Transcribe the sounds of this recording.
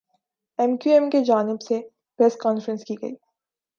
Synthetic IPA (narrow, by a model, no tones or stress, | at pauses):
ɛmkjuɛ̃mked͡ʒaːnɪbse | pɾɛskɔːnfəɾə̃nskiɡɐ̰iː